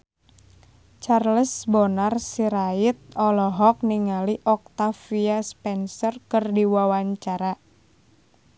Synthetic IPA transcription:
t͡ʃarləsbɔnarsiɾait̪̚ɔlɔɦɔk̚niŋaliʔɔk̚t̪afiaspɛnsɔrkɨrdiwawaɲt͡ʃaɾa

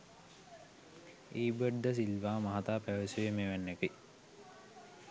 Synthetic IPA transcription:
iːbəɖd̪əs̬ilʋaːmaɦat̪aːpæʋeseʋemeʋænːekəi

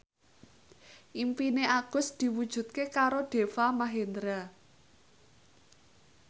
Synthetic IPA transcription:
ʔimpineʔaɡ̥ʊ̤sd̪̥i̤wud̥ʒ̥ṳt̪̚kekaɾoɖ̥e̤famaɦend̪ɾa

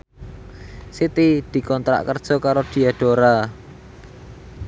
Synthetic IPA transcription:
sit̪id̪̥i̤kɔnt̪ɾa̰ʔkərd̥ʒ̥ɔ̤kaɾod̪̥i̤aɖ̥o̤ɾa

